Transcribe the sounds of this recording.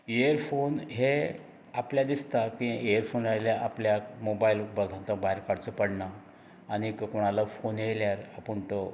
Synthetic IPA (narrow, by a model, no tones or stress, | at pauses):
eəɾfonɦe | apljad̪ist̪akĩejəɾfonaljaʔapljamobailbəɡ̪ʱãt̪abʱaɾkaɽt͡səpəɽɳa | añikəkoɽ̃alafonjeljaɾapəɳt̪ɔ